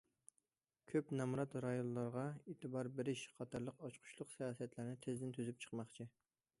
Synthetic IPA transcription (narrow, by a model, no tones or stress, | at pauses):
kʲʰøpnɛmuɾɑt̪ɾɑjonlˠɑɾʁɑeːt̪ʰɨbɑɾbeɾɪʃχʰɑt̪ʰɑɾlˠəqɑt͡ʃqʰʊ̥ʃlˠʊqsijɑːsiɛt̪læɾnɪt̪ʰɪzd̪ɪnt̪ʰyzyp̚t͡ʃʰə̥qmɑχt͡ʃʰi